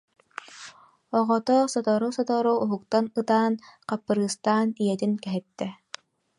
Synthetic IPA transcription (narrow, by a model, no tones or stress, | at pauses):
ɔʁɔt̪ɔsɔt̪ɔɾusɔt̪ɔɾuːɦuk̚t̪anɯt̪aːnqapːɯɾɯːst̪aːnijɛt̪inkɛɦɛt̪ːɛ